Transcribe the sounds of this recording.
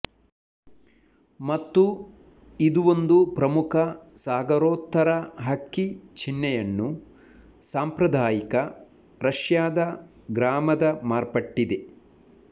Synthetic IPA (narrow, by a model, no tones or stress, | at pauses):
mɐt̪ːu | id̪uʋo̞nd̪upɾɐmukʰɐsaːɡɐɾoːt̪ːɐɾɐɦɐkːit͡ʃʰinːɛjɐnːu | saːmpɾɐd̪ʱaːjikɐ | ɾɐʂjaːd̪ɐ | ɡɾaːmɐd̪ɐmaːɾpɐʈːid̪e